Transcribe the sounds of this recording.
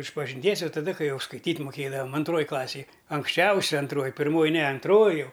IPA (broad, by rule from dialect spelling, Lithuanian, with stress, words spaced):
ɪʃpɐʒʲɪnʲˈtʲiɛs ˈjɛʊ tɐˈdɐ ˈkɐɪ ˈjɛʊ skɐɪˈtʲiːtʲ mʊˈkʲeːdɐʋɐm ɐnˈtroːj ˈklˠɑːsʲeːj ɐŋksʲˈt͡ʃʲɛʊsʲɛ ɐnˈtroːj pʲɪrˈmoːj nʲɛ ɐnˈtroːj ˈjɛʊ